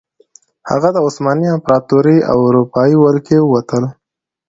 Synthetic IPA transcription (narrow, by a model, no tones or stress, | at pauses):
ha̰ɣad̪əʊsmɑniampɾɑt̪uɾia̰wʊɾupɑiwalkewat̪əl